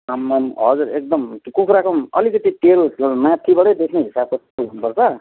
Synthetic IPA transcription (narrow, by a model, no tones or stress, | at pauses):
sʌmːanɦʌd͡zuɾek̚d̪ʌmkukʰɾakʰʌmʌ̰likʌt̪it̪eɾusomãt̪ʰibʌɽʌjd̪ekʰneɦisab̚ko | ukʰnupʌrt͡sʰʌ